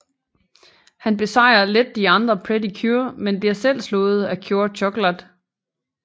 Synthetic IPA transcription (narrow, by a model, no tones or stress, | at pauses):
hænb̥e̝sɑ̈ɪ̰ɐled̥ːiɑ̈nd̥ʁɐpʰʁed̥ikʰuɐmenb̥iæɐsel̰slɔ̽ːð̞̩ˠækʰjo̝ːɐɕʰɔɡ̥læd̥